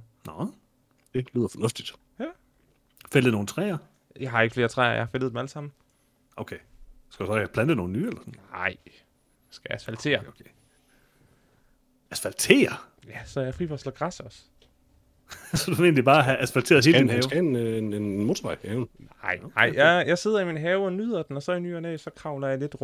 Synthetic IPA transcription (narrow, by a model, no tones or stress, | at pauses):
nɔ | d̥eliːðˠɐfɒnɔ̽fd̥id̥ | jæ | felð̩ˠno̝ːn̩t͡sʰʁɛ̰ːɐ | jɑ̈ɪɦɑ̈e̝ɡ̥əfle̝ːɐt͡sʰʁɛ̰ːɐjɑ̈hɑ̈felðˠd̥emæləsɑ̈m̰n̩ | ʔokʰesɡ̥æ̥dusɒpʰlænd̥əno̝ːn̩yːelɐsɒnn̩ɪ̰ | sɡ̥æjæsfælt͡sʰe̝̰ːɐ | æsfælt͡sʰe̝̰ːɐ | jæsɒjɑfʁifɒslɒɡ̥ʁɑsɒ̽s | sd̥uʋee̝̰ːnlib̥ɑ̈ːɦæʔæsfælt͡sʰe̝ːɐðˠe̝ːldinhɛːʊnnenmot͡sʰʋɑɪhɛʊnnɑɪ̰nɑ̈ɪ̰jɑjɑ̈ɪse̝ð̞̰ˠɐiminɦɛːʊɒnyːð̞̰ˠɐd̥enɒ̽sɒ̽iny̰ːɒnesɒ̽kʰʁɑ̈ʊlɐjɑ̈le̝d̥ʁ